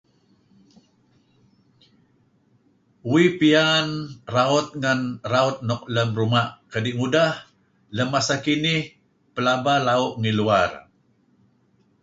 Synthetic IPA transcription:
wipianraɔt̪̚ŋanraɔt̪̚nɔk̚ləmɾumaʔkədiʔŋudah | ləmːasakinih | pəlabalaɔʔŋiluar

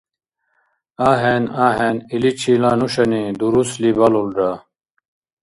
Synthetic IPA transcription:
aːɦenaːɦeːnilit͡ɕʰiːlaːnuɕɐnid̪uɾuslibɐlulɖa

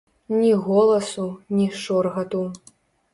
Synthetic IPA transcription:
nʲiɣɔlˠɐsunʲiʂɔrɣɐt̪u

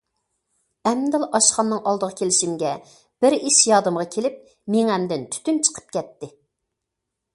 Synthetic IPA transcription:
ɛmd̪ɨlˠʔɑʃχɑnːɨŋɑlˠd̪əʁəkʲʰelɪʃimɡʲɛ | b̥ɪɾiʃjɑːd̪ɨmʁɑkʲʰelɪp̚ | meŋɛmd̪ɪnt̪ʰy̥t̪ynt͡ʃʰə̥qʰə̥p̚kʲɛt̪ːɪ

